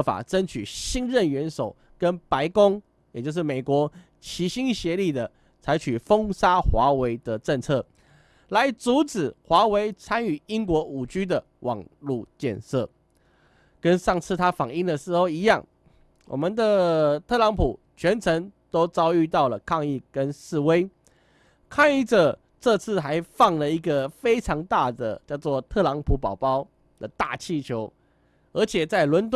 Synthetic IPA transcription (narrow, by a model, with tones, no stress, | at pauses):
fa̰˨˩ʈ͡ʂə˦˥nt͡ɕʰy̰˨˩ɕi˥nɻə˥˩nɥɛ˧˥nʂo˨˩ʊ | kə˦˥npa˧˦ɪkʊ˥ŋ | jɛ˨˩t͡ɕjʂ̬ɻ̩˥˩me˨˩ɪkwɔ˧˥ | t͡ɕʰi˧˥ɕi˥ŋɕjɛ˧˦li˥˩d̪ə˩ | t͡sʰa˧˥ɪt͡ɕʰy˨˩fɤ˦ŋsa˥xwa˧˥˦we˧˥ɪd̪ə˨ʈ͡ʂə˥˧ŋt͡sʰɤ˥˩ | la˧˦ɪt͡su˨˧˥t͡sɹ̩˨˩xwa˧˥we˧˥ɪt͡sʰa˥ny˨˩i˦˥ŋk̬wɔ˧˥ʔu˨˩t͡ɕy˦d̪ə˨ | wʔɑ̰˨˩ŋlu˥˧t͡ɕjɛ̰˥˧nsɤ˥˩ | kə˦nʂɑ˥˩ŋt͡sʰɹ̩˥˩t̪ʰa˥fɑ˨˩ŋi˥˩ŋd̪ə˨ʂɻ̩˧˥xo˥˧ʊi˧˥jɑ˥˩ŋ | wʔɔ̰˨˩mə˨nd̪ə˧˨t̪ʰɤ˥˩˨lɑ˧˥ŋpʰu˨˩ | t͡ɕʰɥɛ˧˥nt͡sʰə˧˥ŋt̪o˥ʊt͡sɑ˥ʊy˥˧t̪ɑ˥˩ʊlə˩kʰɑ˥˧ŋi˥˩kə˦nʂɹ̩˥˩we˥ɪ | kʰɑ˥˧ŋi˥˩ʈ͡ʂə˨˩ | ʈ͡ʂɤ˥˧t͡sʰɹ̩˥˩xa˧˥ɪfɑ˥˩ŋlə˩i˧˥ɡə˨fe˥ɪʈ͡ʂʰɑ˧˥ŋt̪a˥˩d̪ə˩t͡ɕjɑ˥˧ʊt͡swɔ˥˨t̪ʰɤ˥˩lɑ˧˥ŋpʰu˨˥pɑ˨˩ʊpɑ˥ʊ | d̪ə˨t̪a̰˥˨t͡ɕʰi˥˩t͡ɕʰjo˧˥ʊ | ə˞˧˥t͡ɕʰjɛ˨˩t͡sa˥˩ɪlwə˧˥nt̪